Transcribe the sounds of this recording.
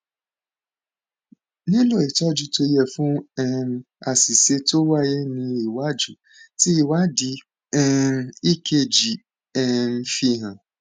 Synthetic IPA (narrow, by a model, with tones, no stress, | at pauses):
nĩ˦lo˦˨e˨tɔ˦d͡ʒu˨˧to˧˦jɛ˦˨fũ˦ɛ˦ | a˨si˨se˧to˦wa˦je˦nĩ˧i˨wa˦d͡ʒu˨˦ | ti˦i˨wa˦di˧ | ɛ˦i˦kʰe˦˨d͡ʒi˨ | ɛ˦m̩˧fi˧ɦã˨